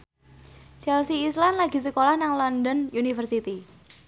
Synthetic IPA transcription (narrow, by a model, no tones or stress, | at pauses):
t͡ʃɛlsiːslanlaɡi̤səkolahnaŋlɔndɔnʔunifərsit̪i